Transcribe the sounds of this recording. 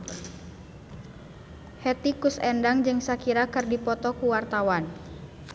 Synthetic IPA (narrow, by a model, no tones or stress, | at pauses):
hɛt̪ikusɛndaŋd͡ʒɨŋsakiɾakɨrdipɔt̪ɔkuwart̪awan